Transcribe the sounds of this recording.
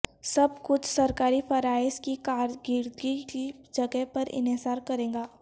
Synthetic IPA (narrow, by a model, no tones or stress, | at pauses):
sɐb̚kʊt͡ʃʰsɐɾkaːɾifɐɾaːɪskikaːɾɡɪɾd̪ɡikid͡ʒɐɡəɦpɐɾɪ̰nɪzaːɾkɐɾẽːŋɡaː